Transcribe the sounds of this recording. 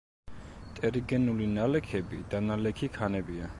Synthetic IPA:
t̪ʼɛɾiɡɛnulinalɛkʰɛbid̪̥analɛkʰikʰanɛbia

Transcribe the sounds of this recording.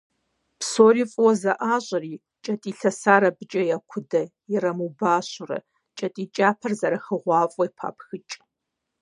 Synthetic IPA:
pʰsoːɾiːfʼwɔzɐʔaːɕʷʼɐriː | t͡ʃʼɐtʼiːɬɐsaːɾɐbɨt͡ʃʼɐjakʷʰʊdɐ | ɪrɐmubaːɕʊrɐ̰ | t͡ʃʼɐtʼiːt͡ʃʼaːpʰɐrzɐɾɐxəʁʷɑːfʼɔjpʰa̰ːpʰxɨt͡ʃʼ

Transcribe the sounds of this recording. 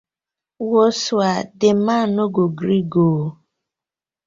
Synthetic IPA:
wosuadɪmanoɡoɡɾiɡo

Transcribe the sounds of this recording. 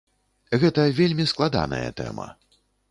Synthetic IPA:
ɣɛt̪ɐvʲelʲmʲisklˠad̪a̰nɐjɐ̰t̪ɛ̰mɐ̰

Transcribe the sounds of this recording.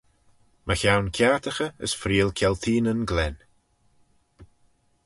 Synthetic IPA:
məçawnkʲʰjaːt̪ʰəxəə̰sfɾiːəlˠkʲʰɛlt̪ʰiːnənɡlɛn

